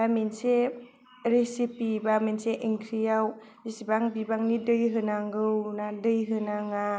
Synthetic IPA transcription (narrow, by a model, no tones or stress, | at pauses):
bamense | ɾesipibamenseʔeŋkʰɾijaw | bisibaŋbibaŋnidɯjɦɯnaŋɡɯwnadɯjɦɯnaŋa